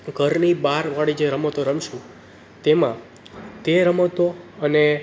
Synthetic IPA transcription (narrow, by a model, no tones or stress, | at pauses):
ɡʱəɾnibaɾʋaɽid͡ʒeɾəmət̪oɾəmʃũ | t̪emã̰ | t̪eɾəmət̪oəne